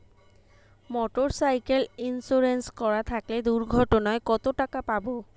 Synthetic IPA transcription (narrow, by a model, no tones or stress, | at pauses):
mɔʈoɹsajkelinsuɹenskɔɹat̪ʰakled̪uɹɡʱɔʈɔnaekɔt̪oʈakapabo